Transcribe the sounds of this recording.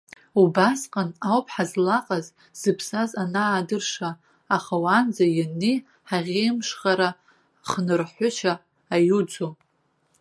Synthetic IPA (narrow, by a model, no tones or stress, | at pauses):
ubasqʼanawpʰʼħazlaqʼaz | z̥ɨpʰsazanaːdɨrʂaː | χawand͡zajanːi | ħaʁʲejmʂχaɾa | χnɨrħʷʊʃʰaː | jud͡zo